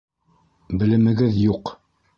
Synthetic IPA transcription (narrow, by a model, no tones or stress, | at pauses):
bɘ̆lɘ̆mɘ̆ɡɘðjuq